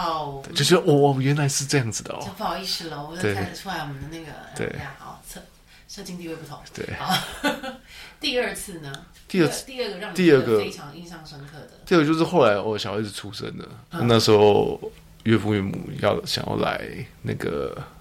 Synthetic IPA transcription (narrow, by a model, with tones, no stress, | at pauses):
t͡ɕo˥ʊt͡ɕɥɛ˧˥d̪ə˧ʔwɔ˨˩˨ɥɛ˧˥nla˧˥ɪʂɻ̩˥˧ʈ͡ʂɤ˥˧jɑ˥˩ŋd͡zɹ̩˨˩d̪ə̰˩˦o˥˧pi˥˩ʂɻ̩˥lə˧˨wɔ˨˩˥t̪we˥˩ɪ˥˩ə˨˩ʈ͡ʂʰu˥la˧˥ɪwɔ˨mə˦d̪ə˧˦na˥˩ɡə̰˩t̪wḛ˥˩ɪ˥˩˥t͡sʰ | ʂɤ˥˩t͡ɕi˥ŋt̪i˥˧we˥˧pu˥˩t̪ʰʊ˧˦ŋt̪we˥˩ɪ˧ | t̪i˥˧ə˞˥˧t͡sʰɹ̩˥˩nə˩ | t̪i˥˧ə˥˧˥t̪i˥˧ə˥˩ɡə˨˩ɻɑ˥˩ŋnt̪i˧ə˞˥˩ɡə˧˩e˥ɪʈ͡ʂʰɑ˧˥ŋi˥˧nʂɑ˥˩ŋʂə˥ŋkʰɤ˥˩d̪ə˩˦˥t͡ɕjo˥˧ʊʂ̬ɻ̩˥˧xo˥˩ʊla˧˥ɪwɔ˧˦ɕjʂɻ̩˥˧˩ʈ͡ʂʰu˧˥˩ʂə̰˥nd̪ə˨n˥a˥˧na˥˩ʂɻ̩˧˥xo˥˧ʊ | ɥɛ˥˧pu˥˧ɥɛ˥˩mṵ˨˩jɑ̰˥˩ʊ˩ɕjɑ̰˨ŋjɑ̰˥˩ʊla̰˧˥ɪna̰˥˩ɡə̰˩